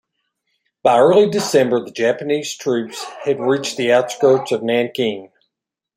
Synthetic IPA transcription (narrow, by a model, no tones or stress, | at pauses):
b̥aɪɜ˞lˠidɨsɛ̃mbə˞ðɨd͡ʒæpɨniz̥tʰɹ̥ʉpsɨd̚ɹit͡ʃðiaʊtskɹoʊt͡ʃʌvnæ̃nkʰɪ̃ŋ